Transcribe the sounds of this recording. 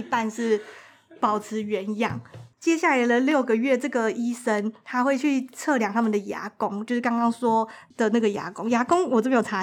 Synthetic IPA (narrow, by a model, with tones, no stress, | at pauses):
i˧˥pa˥˧nʂɻ̩˥˩ | pɑ˨˩ʊt͡sʰɹ̩˨˧˥ɥɛ˧˥n˧˦jɑ̰˥˩ŋt͡ɕjɛ˥ɕja˥˩la˧˥ɪlə˧ljo˥˩ʊɡə˨ɥɛ˥˧ʈ͡ʂɤ˥˩ɡə˩i˥ʂə˦nt̪ʰa˥xwe˥˧ɪt͡ɕʰy˥˧t͡sʰɤ˥˩ljɑ˨˩ŋt̪ʰa˥mə˨nd̪ə˩ja̰˧˥kʊ˦ŋt͡ɕjo˥˧ʊʂɻ̩˥˩kɑ˥ŋkɑ˥ŋswɔ˥d̪̥ə˨na˥˩ɡə˩ja̰˧˥kʊ˥ŋja˧˥kʊ˥ŋwɔ˨˩o˥˩me˥jo˨˩ʈ͡ʂʰa˧˥